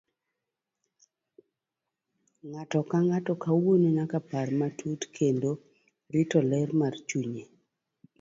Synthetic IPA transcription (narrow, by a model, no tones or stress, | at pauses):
ŋatɔkaŋatɔkawwoninakaparmatʰutkʰendo | ɾɪtɔlɛrmart͡ʃuɲe